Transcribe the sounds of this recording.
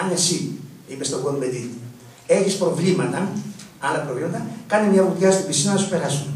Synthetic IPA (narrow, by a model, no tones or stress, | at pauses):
ɐnesi | ipest̪oɡonmeði | e̞çispɾo̞vlimɐt̪ɐɐlɐpɾovlimɐt̪ɐkɐnimɲɐput̪ʝɐst̪ubisinɐnɐsupe̞ɾɐsun